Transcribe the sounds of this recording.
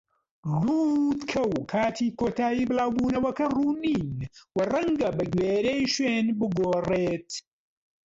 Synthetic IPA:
ruːd̪kʰɐwkʰaːt̪ʰiːkʰoːt̪ʰaːjiːbɨlaːwbuːnɐwɐkɐruːniːnwɐrɐŋɡɐbɐɡweːɾejʃweːnbɨɡoːreːt̪

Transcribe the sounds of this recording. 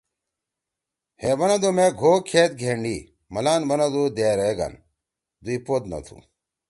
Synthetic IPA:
hebɐnɐd̪omeɡʱoːkʰeːt̪̚ɡʱeɳɖi | mɐlaːnbɐnɐd̪ud̪eːɾɐeɡɐ̰n | d̪uipod̪nɐ̰t̪ʰṵ

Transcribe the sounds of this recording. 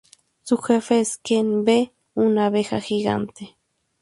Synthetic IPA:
suxefeskenbe | unaβexa̰xiɣa̰nt̪e

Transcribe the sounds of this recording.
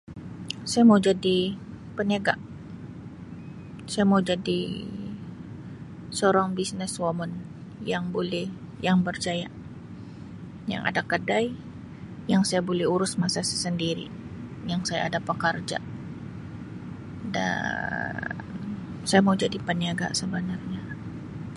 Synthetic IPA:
sajamaud͡ʒadi | pəniaɡa | sajamawd͡ʒadi | soɾaŋbisnɪswamɔn | jaŋbolɛh | jaŋbərt͡ʃaja | ja̰ŋʔa̰dakədaj | jaŋsajabolɛhuɾʊsmasasḁsəndiɾḭ | jaŋsajaːdapəkərd͡ʒa̰ | da̰ | n | sajamaud͡ʒadipəniaɡa̰səbənarɲa

